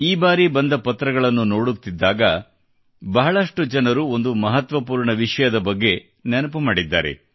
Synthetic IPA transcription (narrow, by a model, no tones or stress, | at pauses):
iːbaːɾibɐnd̪ɐpɐt̪ːɾɐɡɐɭɐnːuno̞ːɽut̪ːid̪ːaːɡɐ | bɐɦɐɭɐʂʈud͡ʒɐnɐɾuo̞nd̪umɐɦɐt̪ʋɐpuːɾɳɐʋiʂɐjɐd̪ɐbɐɡːe̞ | nɛnɐpumaːɽid̪ːa̰ːɾḛ